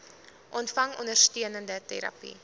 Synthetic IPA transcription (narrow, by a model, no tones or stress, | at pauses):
ʔɔntfɐŋɔndərstiənəndətɛɾɐ̰pḭ